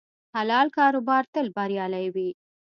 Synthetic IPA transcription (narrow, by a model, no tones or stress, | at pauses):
halɑlkɑɾobɑɾt̪əlbaɾjɑlajwi